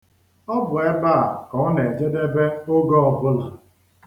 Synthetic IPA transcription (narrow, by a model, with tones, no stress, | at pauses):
ɔ˦bʊ˨e˦ba˦˨kɔ˨˦ne˨d͡ʒe˦de˦be˦ʊ˦ɡɔ˦ɔ˨bʊ˦la˨